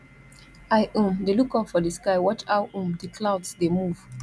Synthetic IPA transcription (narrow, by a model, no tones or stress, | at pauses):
aɪʔũmdelukɔpfɔdəskaɪwɔt͡ʃaʊʔũmdəkʰlaʊdsdemuv̥